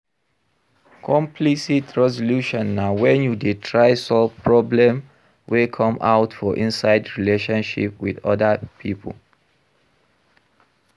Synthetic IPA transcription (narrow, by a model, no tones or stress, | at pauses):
kʰɔ̃mpʰlisitʰɹɛzɔluʃɔ̃nːawɛ̃njudetʰɹaɪsɔlvpʰɹɔblɛ̃m | wekʰɔ̃ma̰ʊtfɔʔĩnsaɪdɹileʃɔ̃nʃḭpwḭdɔ̰dəpʰipʰə̰l